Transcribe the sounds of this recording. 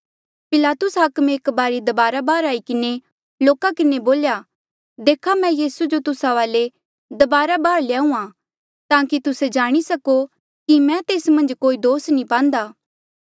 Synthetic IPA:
pɪlaːt̪ʊsɦɐkmeːkbaːɾid̪ɐbaːɾabaːɾaːikɪne | loːkakɪneboːlja | d̪eːkʰamɛ̃jiːsud͡ʒot̪ʊsaʋaːle | d̪ɐbaːɾabaːɾljaːũã | t̪ãːkit̪ʊsed͡ʒaːɽ̃isɐko | kimɛ̃t̪eːsmɐ̃nd͡ʒkoːid̪oːsnĩpãːnd̪aː

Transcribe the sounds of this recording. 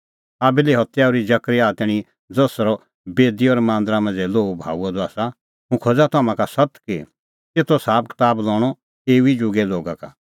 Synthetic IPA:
aːbiliɦɔt̪ːjaɔɾid͡ʒɐkɾiaːt̪ɛɽ̃i | d͡zɐsɾɔ | beːd̪iɔːɾmãːnd̪ɾamɐ̃nd͡zɛloːbʱa̰ːuad̪ɔaːsa | ɦũkʰod͡zat̪aːmãkasɐt̪kḭ | t̪eːt̪ʰɔsaːp̚kɪ̥t̪aːblɔːɽ̃ɔ | eːuid͡ʒʊɡɛloːɡaka̰

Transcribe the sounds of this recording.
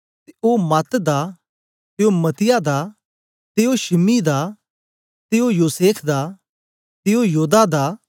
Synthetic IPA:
t̪eoːmat̪d̪a | t̪eomɐt̪ɪjad̪a | t̪eoʃɪmid̪a | t̪eojoːseːpʰd̪a | t̪eojuːd̪ad̪aː

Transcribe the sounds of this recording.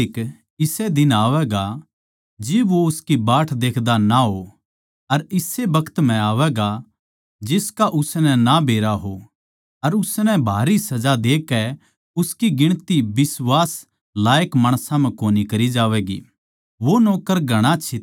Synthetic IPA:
ɪk | ɪsɛd̪ɪnaːʋɛɡa | d͡ʒɪbʋoʊskibaːʈʰd̪eːkʰd̪anaɦo | ɐɾɪsebɐkʰə̥t̪m̤ɛ̃aːʋɛɡa | d͡ʒɪskaʔʊsnɛnabʱeːɾaɦo | ɐɾʊsnɛbʱaːɾisɐd͡ʒad̪eːkːɛ | ʊskiɡɪɽ̃t̪ibɪsʋaːs | laːjəkmaːɽ̃sãm̤ɛ̃koːnikɐɾid͡ʒaːʋɛːɡḭ | ʋonoːkəɾɡʱɐɽ̃at͡ʃʰɪ

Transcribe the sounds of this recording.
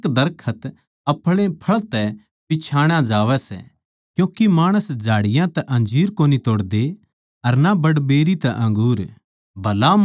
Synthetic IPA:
kd̪ɐɾkʰət̪ | ɐpʰɭẽpʰɐɭt̪ɛ | pɪt͡ʃʰaːɽ̃ãd͡ʒaːʋɛsɛ̰ | kjõːkimaːɽ̃əsd͡ʒʱaːɽɪjãt̪ɛʔɐ̃nd͡ʒiːɾkoːnit̪oːɽd̪e | ɐɾnabɐɽbeːɾit̪ɛʔɐ̃ŋɡuːɾ | bʱɐla

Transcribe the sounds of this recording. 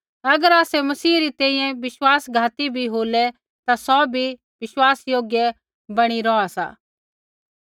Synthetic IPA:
ɐɡəɾaːsɛmɐsiːɾit̪ɛ̃ːĩjɛ̃ʋɪswaːsɡʱaːt̪ibʱiɦoːlɛ | t̪asɔbʱi | ʋɪswaːsjoːɡjɛ | bɐɽ̃iɾɔasa̰ː

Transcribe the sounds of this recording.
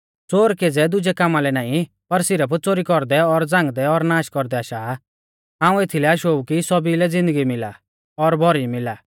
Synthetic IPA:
t͡soːɾkeːd͡zɛd̪ʊd͡ʒɛkamalɛnãːĩ | pɐɾsɪɾəp̬t͡soːɾikɔɾd̪ɛɔɾd͡zãːŋɡd̪ɛɔɾnaːʃkɔɾd̪ɛaːʃaː | ãːũet̪ʰilɛaʃoukisɔbilɛd͡zɪ̃nd̪əɡimɪla̰ | ɔɾbʱɔɾimɪlaː

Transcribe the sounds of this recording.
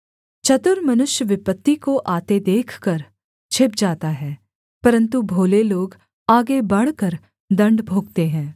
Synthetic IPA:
t͡ʃɐt̪ʊɾmɐnʊʃjəʋɪpət̪ːikoʔaːt̪ed̪eːkʰkɐɾ | t͡ʃʰɪp̚d͡ʒaːt̪aɦɛː | pɐɾə̃nt̪ubʱoːleloːɡ | aːɡebɐɽ̤kəɾ | d̪ɐ̃ɳɖbʱoːɡt̪eɦɛ̃ː

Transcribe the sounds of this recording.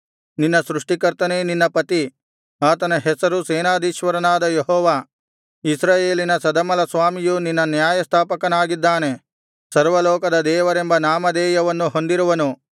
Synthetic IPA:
ninːɐsɾuʂʈikɐɾt̪ɐneninːɐpɐt̪i | aːt̪ɐnɐɦɛsɐɾuseːnaːd̪iːʃʋɐɾɐnaːd̪ɐjeɦɔːʋaː | isɾaːjeːlinɐsɐd̪ɐmɐlɐsʋaːmijuninːɐnjaːjɐst̪ʰaːpɐkɐnaːɡid̪ːaːne̞ | sɐɾʋɐlɔːkɐd̪ɐd̪ɛːʋɐɾembɐnaːmɐd̪ɛːjɐʋɐnːuɦo̞nd̪iɾuʋɐnu

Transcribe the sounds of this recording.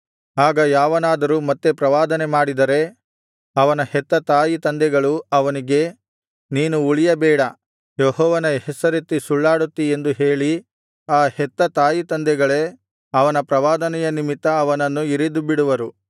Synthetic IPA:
aːɡɐjaːʋɐnaːd̪ɐɾuːmɐt̪ːepɾɐʋaːd̪ɐnemaːɽid̪ɐɾe̞ | ɐʋɐnɐhɛt̪ːɐt̪aːjit̪ɐnd̪ɛɡɐɭuɐʋɐniɡe̞ | niːnuːɭijɐbɛːɽɐ | jɔɦɔːʋɐnɐhɛsɐɾet̪ːisuɭːaːɽut̪ːie̞nd̪uɦeːɭi | aːhɛt̪ːɐt̪aːjit̪ɐnd̪ɛɡɐɭe | ɐʋɐnɐpɾɐʋaːd̪ɐnɛjɐnimit̪ːɐːʋɐnɐnːuiɾid̪ubiɽuʋɐɾu

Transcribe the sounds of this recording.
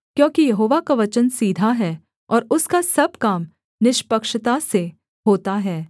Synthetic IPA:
kjõːkijɐɦoːʋakaʋɐt͡ʃənsiːd̪ʱaɦɛː | ɔːɾʊskasɐb̚kaːm | nɪʃpəkʃt̪ase | ɦoːt̪aɦɛː

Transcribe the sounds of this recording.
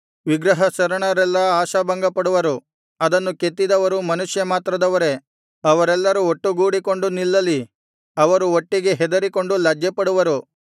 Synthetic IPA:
ʋiɡɾɐɦɐsɐɾɐɳɐɾɛlːɐaːʃɐbɐŋɡɐpɐɽuʋɐɾu | ɐd̪ɐnːuket̪ːid̪ɐʋɐɾumɐnuʂjɐmaːt̪ɾɐd̪ɐʋɐɾe̞ | ɐʋɐɾɛlːɐɾuoʈːuɡuːɽiko̞ɳɖunilːɐli | ɐʋɐɾuoʈːiɡe̞ɦɛd̪ɐɾiko̞ɳɖulɐd͡ʒjɐpɐɽuʋɐɾu

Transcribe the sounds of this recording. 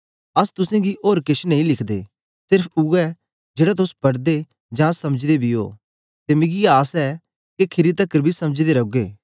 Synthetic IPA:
ɐst̪ʊsẽɡiʔoːɾkɪʃnɐ̃ĩlɪkʰd̪ḛː | sɪɾpʰuɛ | d͡ʒeːɽat̪̬ʊspɐɽd̪e | d͡ʒãːsɐməd͡ʒd̪ebʱio̰ː | t̪emɪ̃ɡiaːsɛ | kekʰɪɾit̪̬ɐkːəɾbʱisɐməd͡ʒd̪eɾɐɡeː

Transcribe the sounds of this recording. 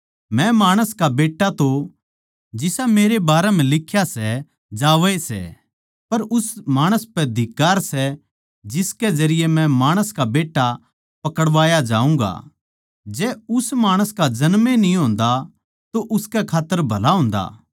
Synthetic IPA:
mɛ̃maːɽ̃əskabeːʈːat̪o | d͡ʒɪsameːɾebaːɾɛm̤ɛ̃lɪkʰːjasɛ | d͡ʒaːʋɛsɛ̰ | pɐɾʊsmaːɽ̃əspɛd̪ʱɪkːaːɾsɛ | d͡ʒɪskɛd͡ʒɐɾɪjemɛ̃maːɽ̃əskabeːʈːa | pɐkəɽʋaːjad͡ʒa̰ːũŋɡa̰ | d͡ʒɛːʊsmaːɽ̃əskad͡ʒɐnmenĩɦõːnd̪a | t̪oʔʊskɛkʰaːt̪ːəɾbʱɐlaɦʊ̃ːnd̪a̰ː

